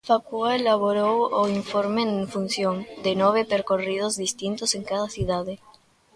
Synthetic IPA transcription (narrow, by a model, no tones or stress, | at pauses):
fakuaelaβoɾooiɱfoɾmeɱfunsjond̪enoβepeɾkoriðozðist̪int̪ose̞ŋkaðasjuðaðe